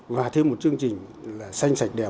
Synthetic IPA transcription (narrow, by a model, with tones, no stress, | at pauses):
vaː˨˩t̪ʰe˧mo˨˩t̚t͡ɕɨ˧əŋt͡ɕï˨˩ŋ̟laː˨˩sa˧jŋ̟sa˨˩jk̟̚ɗɛ˨˩